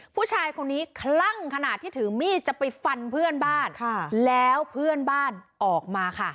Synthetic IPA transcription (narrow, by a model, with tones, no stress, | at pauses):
pʰuː˥˩t͡ɕʰaː˧jkʰo˧nːiː˦˥kʰɾa˥˩ŋkʰa˧naː˨˩t̪ʰːiː˥˩t̪ʰɯ˩˦miː˥˩t͡ɕa˨˩ʔpa˧jfa˧npʰɯ˥˩ənbaː˥˩nkʰa˥˩lɛː˦˥wpʰɯ˥˩ənbaː˥˩nʔɔː˨˩k̚maː˧kʰa˥˩